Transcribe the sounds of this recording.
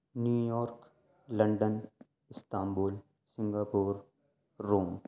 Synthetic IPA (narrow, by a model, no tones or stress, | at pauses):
njuːjɔːɾk | lɐ̃ɳɖən | ɪst̪aːmboːl | sɪ̃ŋɡaːpuːɾː | oːm